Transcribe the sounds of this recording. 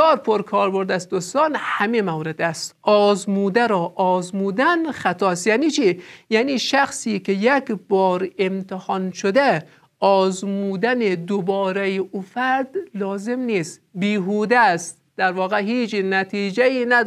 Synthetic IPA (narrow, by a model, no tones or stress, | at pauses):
ɒːɾpʰoɾkʰɒːɾboɾd̪æsd̪ost̪ɒːnhæmimæwɾed̪æst̪ʔɒːzmuːd̪æɾɒːʔɒːzmuːd̪ænxæt̪ʰɒːst̪jæːniːt͡ʃʰiːjæniːʃæxsiːkʰejekbɒːɾemt̪ʰehɒnʃod̪e | ɒːzmuːd̪æned̪obɒːɾejeʔufæɾd̪lɒːzemniːst̪biːɦuːd̪æst̪ | d̪̥æɾvɒːɣeɦiːd͡ʒnæt̪ʰiːd͡ʒæiːnæ